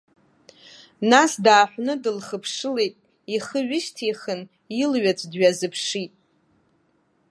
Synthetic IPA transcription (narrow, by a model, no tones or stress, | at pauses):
nasdaːħʷnɨdɨlχəpʰʂɨlejtʼ | iχəɥɪʃtʰiχən | ilɥat͡sʷʰʼdɥazɨpʰʂitʼ